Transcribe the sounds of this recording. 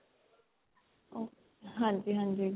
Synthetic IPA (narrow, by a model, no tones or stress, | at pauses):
o | ɦãːɲd͡ʒiɦãːnd͡ʒi